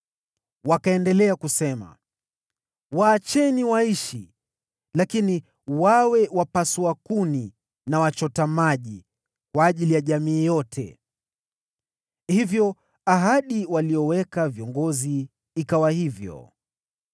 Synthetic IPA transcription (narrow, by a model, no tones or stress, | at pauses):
wakaɛndɛlɛakusɛma̰ | waːt͡ʃɛniwaiʃi | lakini | wawɛwapasuakuni | nawat͡ʃɔtamaʄi | kwaːʄilijaʄamiːjɔtʰɛ̰ | hivjɔ | aɦaɗiwaliɔwɛkaviɔŋɡɔziː | kawahivjɔ̰